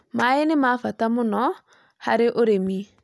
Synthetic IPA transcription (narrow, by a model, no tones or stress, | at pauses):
maenɪmafatamʊnɔ | ha̰ɾeʔoɾemi